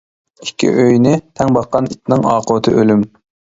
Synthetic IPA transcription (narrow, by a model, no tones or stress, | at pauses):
ikʲʰːḭʔøjnɪt̪ʰɛŋbɑqːɑnit̪ʰnɪŋɑːqʰʊt̪ʰɨ̰ʔølym